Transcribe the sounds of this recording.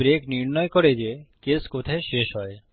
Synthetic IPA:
ɾekniɾnɔjkɔɾed͡ʑekeskot̪ʰaeʃeʃɦɔe

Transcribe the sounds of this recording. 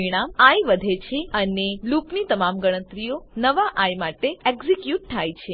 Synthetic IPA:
iɽ̃amajʋəd̪ʱet͡ʃʰeənelupnit̪əmamɡəɽ̃ət̪ɾijonəʋaʔajmaʈeekzikjuʈ̚t̪ʰajt͡ʃʰe

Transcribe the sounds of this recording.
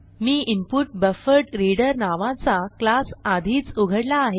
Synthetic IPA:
miːʔimpuʈbəfəɾʈɾiɽəɾnaʋãt͡saklasad̪ʱiːt͡suɡʱəɽlaːɦe

